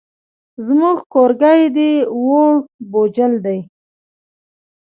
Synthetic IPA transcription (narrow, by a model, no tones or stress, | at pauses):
zmuɡkoɾɡajd̪iwoɽbod͡ʒəld̪aj